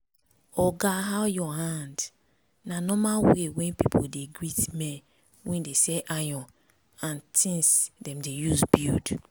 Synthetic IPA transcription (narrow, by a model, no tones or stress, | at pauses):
ɔɡaɦawjɔhãnd | nanɔmawewɛ̃npipʰodeɡɹitmɛ | wɛ̃ndesɛʔajɔ̃ | ãntʰĩnsdɛ̃mdejusbjṵd